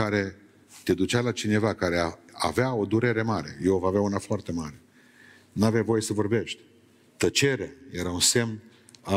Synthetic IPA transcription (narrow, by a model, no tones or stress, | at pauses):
aɾe̞ | t̪e̞d̪ut͡ʃialat͡ʃine̞vakaɾe̞aa̰veao̞d̪uɾe̞ɾe̞maɾe̞̰jevaveaunafoart̪e̞maɾe̞ | naveavo̞je̞səvo̞rbe̞ʃt̪ʲ | t̪ət͡ʃe̞ɾeajeɾaunse̞mn